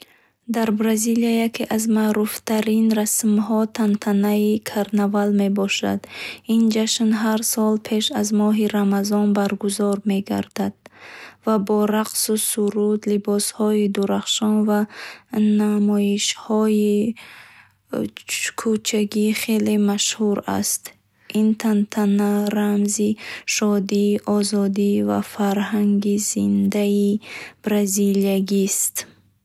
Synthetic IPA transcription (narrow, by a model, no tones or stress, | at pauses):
d̪aɾbɾaziliajakʰeʔazmaɾuft̪ʰaɾinɾasmɦɔt̪ʰant̪ʰanaikʰaɾnavalme̞bɔʃa̰d̪ind͡ʒaʃnɦaɾsɔlpʰe̞ʃazmɔɦiɾamazɔnbaɾɡuzɔɾme̞ɡa̰ɾd̪̥ad̪̥̚vabɔɾaqsusuɾud̪libɔshɔid̪uɾaχʃɔnva | namɔiʃhɔi | kʰut͡ʃʰaɡiχe̞lemaʃhuɾa̰st̪ | int̪ʰant̪ʰanaɾamziʃɔd̪iʔɔzɔd̪iva̰faɾhaŋɡizind̪aib̥ɾaziliaɡist̪